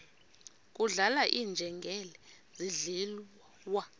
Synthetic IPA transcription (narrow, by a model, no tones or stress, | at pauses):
k̬ʼuɮalaʔiːnd͡ʒʱɛŋɡʱɛlɛ | ziɮil | wa